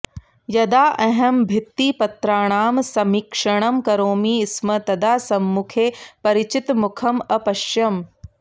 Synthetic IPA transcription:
jɐd̪aːʔɐɦɐmbʱɪt̪ːiːpɐt̪ɾaːɽ̃aːmsɐmiːkʂɐɽ̃ɐmkɐɾoːmiːɪsmɐt̪ɐd̪aːsɐmːukʰeːpɐɾɪt͡ɕɪt̪mʊkʰɐmɐpɐʃjɐm

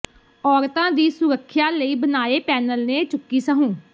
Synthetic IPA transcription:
ɔːɾt̪ãːd̪iːsʊɾəkʰːjaːləiːbənaːeːpɛːnəlneːt͡ʃʊkːiːsəɦũː

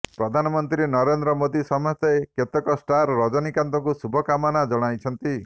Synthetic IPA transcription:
pɾɔd̪ʱanɔmɔnt̪ɾenɔɾend̪ɾɔmod̪isɔmɔst̪eeket̪ɔkɔsʈaɾɾɔd͡ʒɔnikant̪ɔŋkusubʱɔkamɔnad͡ʒɔɽ̃ajt͡ʃʰɔnt̪i

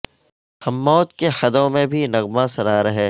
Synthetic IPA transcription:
hɐmːɔːt̪kexɐd̪õmẽbʱinɐɣmãsɐɾaːɾɐɦeː

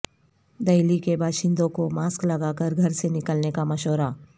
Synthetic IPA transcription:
d̪ɐjlikebaːʃɪ̃nd̪õkomaːsklɐɡaːkəɾɡʱɐɾsenɪkəlnekamɐʃoːɾaː

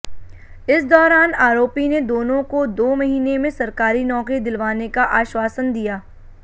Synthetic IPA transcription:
ɪsd̪ɔːɾaːnaːɾoːpined̪oːnõkod̪oːmɐɦiːnemẽsɐɾkaːɾinɔːkɾid̪ɪlʋaːnekaʔaːʃwaːsənd̪ijaː

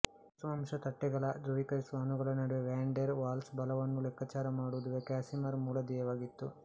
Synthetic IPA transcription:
sʋɐmʂɐt̪ɐʈːɛɡɐɭɐd̪ɾuɽikɐjsʋaːnuɡɐɭɐnɐɽiʋeʋaːɳɖeɾʋaːlsbɐlɐʋɐnːulɛkʰːɐt͡ʃaːɾɐmaːɽud̪uʋekaːsimɐɾmuːlɐd̪ɛjɐʋaːɡit̪ːu

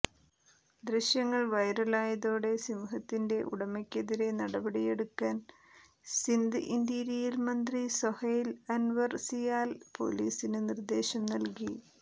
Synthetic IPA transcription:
d̪riɕjɐŋːɐɭʋɐjɾɐlaːjɐðoːɽe̞simuɦɐt̪ːinde̞ʔuɽɐmɐkʲːeðiɾe̞nɐɽɐbɐɽije̞ɽukːaːn | sind̪ɨʔind̪iːɾijilmɐnd̪risohɐjlɐnʋɐrsijaːlpo̞̰liːsinɨnird̪e̞ːɕɐmnɐlki

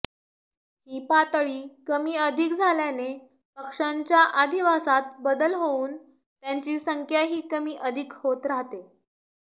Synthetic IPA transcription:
hiːpat̪ɭiːkəmiːəd̪ʱik̚d͡zʱaljane | pəkʂaɲt͡ɕjaʔad̪ʱiʋasat̪̚bəd̪əlɦouːn | t̪jaɲt͡ɕiːsəŋkʰjaɦiːkəmiːʔəd̪ʱikhot̪ɾaɦt̪e

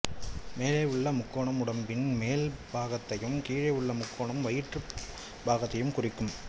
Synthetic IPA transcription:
meːleːʊɭːɐmʊkːoːɳɐmʊɽɐmpɪnmeːlbaːɣɐt̪ːɐjɯmkiːɻɐɯɭːɐmʊkːoːɳɐmʋɐjɪʈrɯ | baːɣɐt̪ːɐjɯmkʊrɪkːɯm

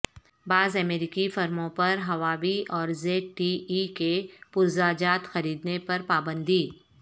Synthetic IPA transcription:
baːzɐmeːɾikifɐɾmõpɐɾɦɐʋaːʋiʔɔːɾzeːʈiikepʊɾzaːd͡ʒaːt̪xɐɾiːd̪nepɐɾpaːbə̃nd̪iː

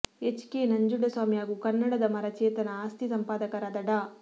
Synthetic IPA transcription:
et͡ʃkeːnɐɲd͡ʒuɖːɐswaːmijaːɡukɐnːɐɽɐd̪ɐmɐɾɐt͡ʃeːt̪ɐnɐaːst̪ʰisɐmpaːd̪ɐkɐɾɐd̪ɐɖa

